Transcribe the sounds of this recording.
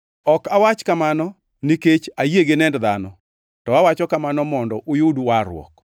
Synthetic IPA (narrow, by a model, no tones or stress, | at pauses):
ɔkawat͡ʃkamanɔ | niket͡ʃajeɡenɛndðanɔ | tɔawat͡ʃɔkamanɔmɔndɔʔʊjuduwaɾw̰ɔ̰k